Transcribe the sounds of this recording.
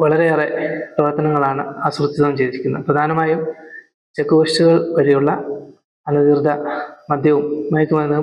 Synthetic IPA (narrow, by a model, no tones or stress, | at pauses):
ʋɐɭɐɾe̞ɐrepɐʋɐrt̪ɐnɐŋːɐɭaːɳɨaːsrut̪ːjiðɐʋumt͡ɕe̞jd̪iɾikʲːunːɐɨprɐd̪ʱaːnɐmaːjum | t͡ɕekːuʋɐʂtuɣɐɭkɐɻijuɭːɐ | ɐnɐðird̪ʱːɐmɐd̪ʱjɐʋumːɐjkʲːumɐnːɐ